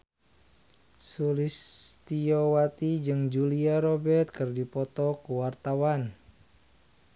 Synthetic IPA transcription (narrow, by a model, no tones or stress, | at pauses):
sulist̪iowat̪id͡ʒɨŋd͡ʒuliaɾɔbɛrt̪̚kɨrdipɔt̪ɔkuwart̪awan